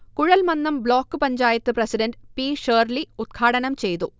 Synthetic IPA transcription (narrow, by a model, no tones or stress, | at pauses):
kuɻɐlmɐnːɐmbloːkːɨpɐɲd͡ʑaːjɐt̪ːɨprɐsiɖɐnɖpiːʂəːrliud̪̚kʰaːɽɐnɐmt͡ɕe̞jt̪u